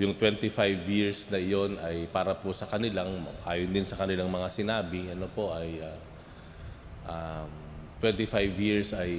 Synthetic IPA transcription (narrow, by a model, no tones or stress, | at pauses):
jʊŋt̪wɛnt̪ɪfajvjiɹsnɐɪjo̞nɐjpaːɾɐposɐkɐnɪlaŋʔaːjʊnd̪ɪnsɐkɐnɪlaŋmɐŋasɪnaːbɪʔɐnopo̞ʔɐjʔa | ʔam | t̪wɛnt̪ɪfajvjiɹsɐj